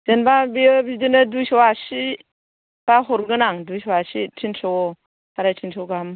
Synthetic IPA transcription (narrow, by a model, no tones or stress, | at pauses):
d͡ʒ̥enbabiəbidinadujsɔwasi | b̥aɦɔɾɡɯnaŋdujsɔwasitʰinsɔ | taɾajtʰinsɔɡam